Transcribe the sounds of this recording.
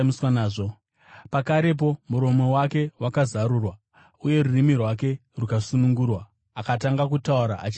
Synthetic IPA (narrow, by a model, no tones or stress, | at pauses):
miswanaːʐo̞ | pakaɾe̞p̬o̞muɾo̞mo̞wake̞wʔakazaɾuːrwa | uje̞ɾurimirwake̞rukasunuŋɡuːrwa | akataŋɡakutauɾa̰ʔat͡ʃi